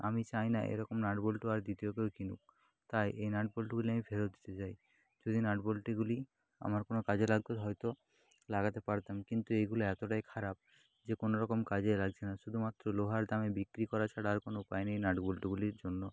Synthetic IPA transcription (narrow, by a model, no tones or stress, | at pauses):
a̰mit͡ɕajnaʔḛjɾɔkomnaʈbolʈoaɾd̪it̪ijokewkinṵk̚ | t̪ajʔejnaʈ̚bolʈɡuliamifʰeɾod̪it̪et͡ɕaj | d͡ʑod̪ʱinaʈbolʈiɡuli | a̰maɾkonokad͡ʑʱelaɡ̚t̪oɦɔjt̪o | laɡat̪epaɾt̪amkint̪uejɡuloɛt̪oʈajkʰaɾab̚ | d͡ʑekonoɾɔkomkad͡ʑelaɡt͡ɕʰenaʃud̪ʱumat̪ːɾoloɦaɾd̪amebikɾikɔɾat͡ɕʰaɽaɾkonoupajnejnaʈbolʈiɡuliɾd͡ʑonːo